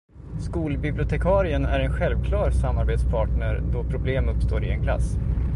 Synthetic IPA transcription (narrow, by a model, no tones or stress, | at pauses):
skuːlbɪblʊt̪ʰɛkʰɑːɾɪənæ̰ɾɛnɧɛlvkʰlɑːɾsamːaɾbeːt̪spʰɑːʈɳəɾɖɔpʰɾʊbleːmɵpst̪oːɾɪɛnkʰla̰sː